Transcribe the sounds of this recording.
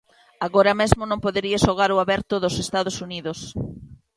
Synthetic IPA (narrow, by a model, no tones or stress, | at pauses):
aɣoɾɐmezmʊnõmpoðeɾiaʃoɣ̞aɾʊaβɛɾt̪ʊðʊsest̪aðosuniðos